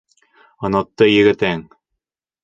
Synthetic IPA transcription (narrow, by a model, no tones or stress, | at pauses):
ɤ̆nɑt̪ːɤjɘ̆ɡɘ̆t̪æŋ